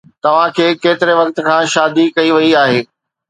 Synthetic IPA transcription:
t̪ɐʋ̤ãkʰeːkeːt̪ɪɾeʋɐk̚t̪̆kʰãːʃaːd̪ikɐiʋɐiaːɦeː

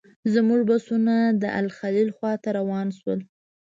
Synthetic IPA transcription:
zmuʐbasunad̪əʔa̰lxalilxwɑt̪aɾawɑnʃwəl

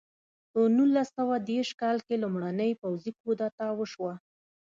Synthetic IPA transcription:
pənulːasawad̪eɾʃkɑlkelʊmɽanəjpawzikod̪at̪awəʃwa

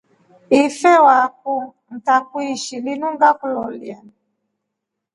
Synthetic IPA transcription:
ifɛwak̚un̩takuiʃilinuŋɡakulɔlian

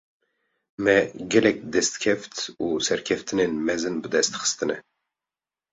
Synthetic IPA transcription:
mɛɡɛlɛk̚d̪ɛst̪kʰɛft̪uːsɛɾkʰɛft̪ʰɨneːnmɛzɨnbɨd̪ɛst̪xɨ̥st̪ɨnɛ

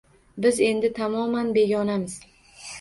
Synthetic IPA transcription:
bɪze̞nd̪ɪt̪ʰamɒmanbe̞ɡʲɒnamɪz̥

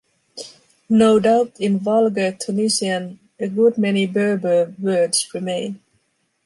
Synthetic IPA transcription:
noʊdaʊtɪ̃nvʌlˠɡətʰunɪsiə̃n | ɨɡʊd̚mɛnibɜ˞bə˞wɜ˞dz̥ɹɨmẽɪ̃n

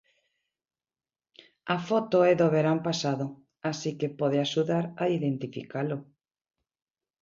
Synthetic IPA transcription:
afot̪oɛðoβeɾampasaðo | asikepoðeaʃuðaɾaiðent̪ifḭkalo

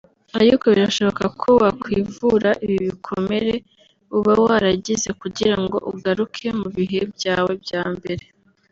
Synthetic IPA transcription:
aɾiko̞βiɾaʃo̞βokakʰowakwiːvuɾaʔiβiβikʰome̞ɾe̞ | uβawaɾaɟize̞kuɟiɾaŋɡo̞̰ʔuɡaɾukʰe̞muβiɦe̞bɟaːwe̞bjaːmbe̞ɾe̞

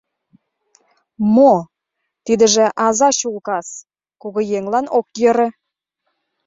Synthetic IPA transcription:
mo | t̪id̪ɘ̆ʒɘ̆ʔɑzɑɕulˠkɑs | koɣɤ̆jeŋlˠɑnok̚jɤ̆ɾə̆

